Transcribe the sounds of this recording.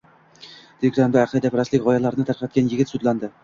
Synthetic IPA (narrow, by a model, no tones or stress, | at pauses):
d̪̥eɡɾand̪aːqʰɨd̪apʰɾaslɪkʲʁɒjalˠaɾɪnɪt̪ʰaɾqʰæt̪̚kʲanjɪɡʲɪt̪sud̪land̪ɪ